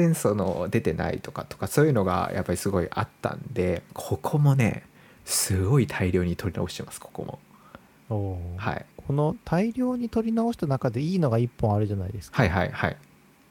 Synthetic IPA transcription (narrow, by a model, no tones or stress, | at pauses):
ẽɰ̃so̞no̞̰d̪e̞t̪e̞na̰ḭt̪o̞̥kat̪o̥kaso̞ːjɯ̟no̞ɡa̰jʔa̰pːaɾʲisɨɡo̞iʔa̰t̪ːã̰nd̪e̞kʰo̞kʰo̞mone̞̰ | sɨɡo̞it̪ʰaiɾʲo̞ːɲ̟it̪ʰo̞ɾʲina̰o̞ɕi̥t̪e̞masɨ̥kʰo̥ko̞̰mʔo̞̰ | oːha̰ḭkʰo̞no̞t̪ʰaiɾʲo̞ːɲ̟it̪o̞ɾʲinao̞ɕi̥t̪anakad̪e̞iːno̞ɡaipːõɰ̃aɾɯ̟ʑanaid̪e̞sɨ̥khaiɦaihai